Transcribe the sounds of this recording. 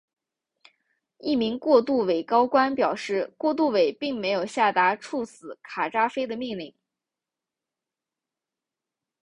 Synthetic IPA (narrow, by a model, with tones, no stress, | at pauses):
i˥˩mi˧˥ŋkwɔ˥˧t̪u˥˩we˨˩ɪkɑ˥ʊkwa˥npjɑ˨˩ʊʂɻ̩˥˧kwɔ˥˧t̪̬u˥˩we˨˩ɪpi˥˩ŋme˧˥ɪjo˨˩ʊɕja˥˩t̪a˧˥ʈ͡ʂʰu˥˩sɹ̩˧˥kʰa˨˩ʈ͡ʂa˥fe˥ɪd̪ə˨mi˥˧ŋli˥˩ŋ